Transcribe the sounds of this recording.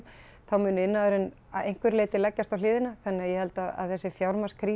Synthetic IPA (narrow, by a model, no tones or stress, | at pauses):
θawmʏːnʏɪnːaœɾɪn | aðejŋ̥kvɪɾleːjt̪ɪlɛcːast̪awlɪːðɪnaθɛnːɪajɛhɛlt̪aða̰ðθɛsːɪfjawɾmaskʰɾiː